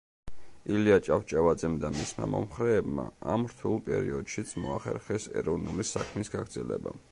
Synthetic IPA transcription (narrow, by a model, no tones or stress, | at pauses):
iliat͡ʃʼaft͡ʃʼavad̪zɛmd̪amismamɔmχɾɛːbma̰amɾt̪ʰulˠpʼɛɾiɔd̪̥ʃit̪sʰmɔaχɛ̰ɾχɛsɛɾɔvnulisakʰmisɡaɡɾd̪zɛlɛ̰ba̰